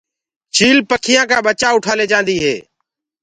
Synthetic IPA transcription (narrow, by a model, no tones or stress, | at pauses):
t͡ʃiːlpəkʰɪjãːkaːɓət͡ʃaːʊʈʰaːleːd͡ʒãːnd̪iːɦḛː